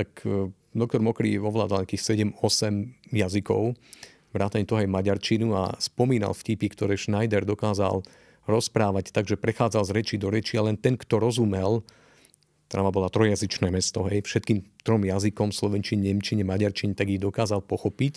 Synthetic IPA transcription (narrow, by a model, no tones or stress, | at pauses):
t̪ak | d̪ɔk̚t̪ɔɾmɔkɾḭɔʋla̰ːd̪alɲakiːxsɛɟɛmɔsɛmjazikɔ̰ʊ | ʋɾaːt̪aɲɛt̪ɔɔɦɛjmaɟaɾt͡ʃinua̰spɔmiːna̰lfcipikt̪ɔɾɛːʃnajd̪ɛɾd̪ɔkaːza̰l | ɾɔspɾaːʋact̪aɡʒɛpɾɛxaːd͡zalzɾɛt͡ʃid̪ɔɾɛt͡ʃialɛnt̪ɛnkt̪ɔɾɔzumɛl | t̪ɾaʋabɔlaːt̪ɾɔjɛjazit͡ʃnɛːmɛst̪ɔɦɛjfʃɛt̪̚kiːmt̪ɾɔmjazikɔmslɔʋɛnt͡ʃiɲɲɛmt͡ʃiɲɛmaɟaɾt͡ʃiɲɛt̪aɡiɣd̪ɔkaːzalpɔxɔpic